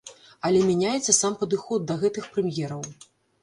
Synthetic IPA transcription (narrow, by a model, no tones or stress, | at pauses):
ɐlʲɛmʲɛnʲajɛt̪sːɐsampɐd̪ɨxɔd̪̚d̪ɐɣɛt̪ɨxpɾɛmʲjɛɾɐw